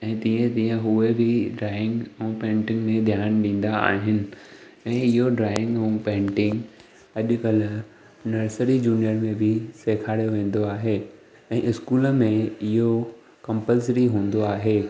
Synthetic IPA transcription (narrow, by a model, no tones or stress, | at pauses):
ɛ̃ːt̪ĩːə̃t̪ĩːə̃ɦuebʱɪɖɾaːɪ̃ŋɡɛ̃pẽːɳʈɪ̃ŋɡmẽd̪ʱjaːnɗĩːn̆d̪aa̰ːɦɪnɪ̆ | ɛ̃ːɪɦoɖɾaːɪ̃ŋɡɛ̃ũpẽːɳʈɪ̃ŋɡ | ɐʄkɐl | nɐɾsəɾid͡ʑuːnijəɾmẽbʱɪseːkʰaːɽijoʋẽːn̆d̪oaːɦe | ɛ̃ːʔɪskuːləmẽɪɦo | kɐ̃mpəlsɾiɦũːn̆d̪oaːɦeː